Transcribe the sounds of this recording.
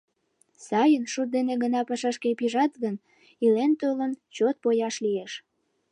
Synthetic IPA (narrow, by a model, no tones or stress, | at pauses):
sɑjənʃut̪̚d̪eneɣənɑpəʃɑʃkepiʒɑt̪ɣən | ilent̪ølənt͡ɕot̪̚pojɑʃlieʃ